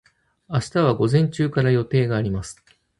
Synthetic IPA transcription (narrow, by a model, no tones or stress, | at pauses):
aɕi̥t̪aβ̞aɡo̞zẽ̞ɲ̟t͡ɕɨːkaɾajo̞t̪e̞ːɡaːɾʲimasɨ̥